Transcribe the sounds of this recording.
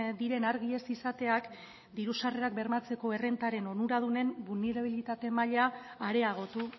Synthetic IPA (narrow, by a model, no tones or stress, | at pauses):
d̪iɾe̞naɾɣie̞sisat̪e̞ak | d̪iɾusare̞ak̚be̞ɾmat͡se̞ko̞ere̞nt̪aɾe̞no̞nuɾað̞une̞mbulne̞ɾaβilit̪at̪e̞maʎaːɾe̞aɣ̞o̞t̪u